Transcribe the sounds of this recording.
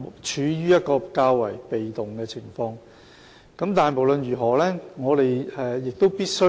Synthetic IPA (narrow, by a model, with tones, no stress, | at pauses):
t͡ʃʰyː˨˧jyː˥jɐ˥t̚kɔː˧kaː˧wwɐ̰˨˩jpe˨jt̪ʊ˨ŋkɛː˧t͡sʰɪ˨˩ŋfɔː˧ŋ | kɐ˨˥mt̪aː˨jmo˨˩wlɵ˨nɥyː˨˩ɦɔː˨˩lɛː˥ŋɔː˨˧t̪e˨jɛ˧jɪ˨k̚t̪o˥wpiː˥t̚sɵ˥